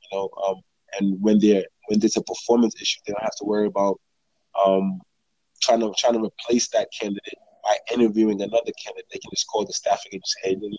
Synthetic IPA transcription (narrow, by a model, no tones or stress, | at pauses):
jɨnoʊʔʌ̃m | ʔɨ̃nwɨ̃nðə˞wɨ̃nðə˞zəpʰə˞fɔɹmə̃nsɪʃʉðeɪdõʊ̃nhæftəwɜ˞iəbaʊt̚ | ʔʌ̃m | tʰɹ̥aɪɪ̃ŋtʰətʰɹ̥aɪɪ̃ŋtʰəɹipʰl̥eɪsðɨt̚kʰæ̃ndɨɾeɪt̚b̥aɪʔɪ̃ñə˞vjʉɪ̃ŋɨnʌðə˞kʰæ̃ndɨɪt̪̚ðeɪkʰn̩d͡ʒʌskʰɔlˠðəstæfɨɡɨ̃d͡ʒʌseɪdɪ̃n